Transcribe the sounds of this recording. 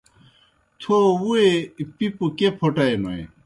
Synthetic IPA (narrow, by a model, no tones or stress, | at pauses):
t̪ʰouepipukepʰoʈaemɐḛ